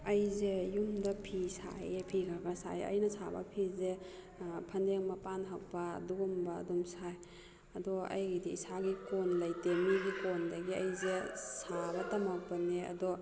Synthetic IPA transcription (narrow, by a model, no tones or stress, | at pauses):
ɐjzejumdɐpʰisa̰jepʰiɡʰaɡasa̰jɐ̰jnɐsabɐ̰pʰize | pʰɐndeŋmɐpanɦak̚ba̰duɡumba̰ːdumsaj | ɐdɔa̰jɡidiisaɡikonlajtemiɡikondɐɡiɐjzesabɐtɐmak̚bɐneɐ̰dɔ